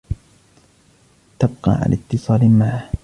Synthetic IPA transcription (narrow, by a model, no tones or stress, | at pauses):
t̪ab̚qɑ̰ːʕa̰lʔat̪ːɨsˤɑːlmaʕah